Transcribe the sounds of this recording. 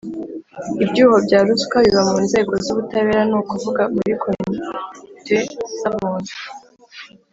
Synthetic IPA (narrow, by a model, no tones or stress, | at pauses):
ibɟuːho̞bɟaːɾuskaβiβamuːnze̞ːɡo̞zuβutaβe̞ːɾanuːkuvuɡamuɾikʰomtwez̥amuːnu